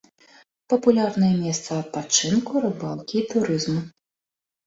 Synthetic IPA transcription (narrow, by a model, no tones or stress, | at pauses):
pɐpulʲarnɐjɛmʲɛst̪sɐɐt̪̚pat͡ʂɨnkuɾɨbalˠkʲiːt̪uɾɨzmu